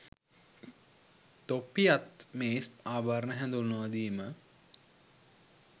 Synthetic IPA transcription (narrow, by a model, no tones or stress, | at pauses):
t̪opːijat̪meːspaːbaːɾənəɦɛnd̪ulnoʋad̪iːmə